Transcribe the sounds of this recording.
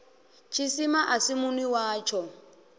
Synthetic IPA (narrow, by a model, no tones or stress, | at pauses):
t͡ʃʰisimaʔasimuniwaːt͡ʃʰɔ